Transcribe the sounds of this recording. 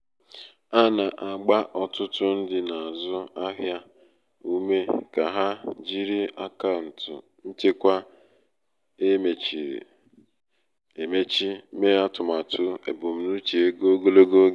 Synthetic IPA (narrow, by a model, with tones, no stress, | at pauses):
a˦na˨ʔa˨ɡ͡ba˦ʔɔ˨tʊ˦tʊ˦n̩˦dɪ˨na˨a˨zʊ˦a˦ɦja˦ | u˦me˦ka˨ɦa˦d͡ʒi˦ɾi˦a˦ka˦˨n̩˨tʊ̰˨ | n̩˦t͡ʃe˦kʷa˦ | e˦me˨t͡ʃi˨ɾḛ˨ | e˨me˦t͡ʃi˦me˦a˦tʊ˨ma˨tʰʊ˦ḛ˨bo˨m̩˨nu˦t͡ʃe˨e˦ɡo˦ɡo˦lo˦ɡo˦ɡ